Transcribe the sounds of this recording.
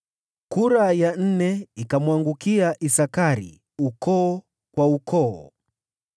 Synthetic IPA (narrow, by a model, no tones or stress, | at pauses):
kuɾajan̩nɛikamwaŋɡukiaʔisakaɾḭ | ukɔː | kwaukʰɔː